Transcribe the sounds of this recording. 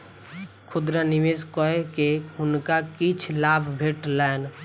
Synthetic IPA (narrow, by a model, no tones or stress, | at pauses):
kʰʊd̪ɾanɪʋeːskɔekeʊnkakit͡ʃʰlaːbʱbʱeːʈlaɪn